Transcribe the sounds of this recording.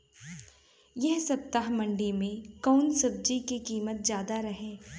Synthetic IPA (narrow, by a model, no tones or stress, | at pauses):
jɛɦsɐp̚t̪aɦmɐ̃ɳɖimẽkɔːnsɐb̚d͡ʒikikiːmət̪̚zjaːd̪aɾɐɦẽː